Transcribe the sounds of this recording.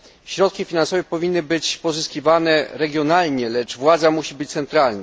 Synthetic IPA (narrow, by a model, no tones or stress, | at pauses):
ɕɾɔt̪̚kʲifʲinansɔvɛpɔvʲinːɘbɘt͡ɕpɔzɘskʲivanɛɾɛɡʲjɔnalɲɛlɛt͡ʂvwad̪zamuɕibɘt͡ɕt̪sɛnt̪ɾalna